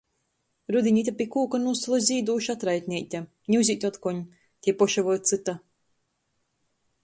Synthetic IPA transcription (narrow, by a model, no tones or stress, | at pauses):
ɾud̪iɲʲit̪ʲapʲikuːkanuslˠuzʲiːd̪uːʃat̪ɾajt̪ʲnʲiːt̪ʲa | ɲʲuzʲit̪ʲɔt̪kɔɲ | t̪ʲiɛpɔʃavɔjt̪sɨt̪a